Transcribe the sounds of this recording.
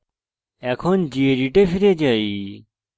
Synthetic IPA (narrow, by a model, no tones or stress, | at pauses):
ɛkʰond͡ʑieɾiʈefʰiɾed͡ʑai